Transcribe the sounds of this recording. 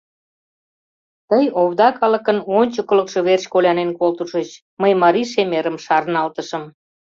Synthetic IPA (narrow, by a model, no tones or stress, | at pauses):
t̪əjoβd̪ɑkɑlə̆kənonʲt͡ɕəkələ̆kʃɤ̆βerɕkolʲɑnenkolt̪uʃət͡ɕ | məjmɑɾiʃemeɾəmʃɑrnɑlt̪əʃə̆m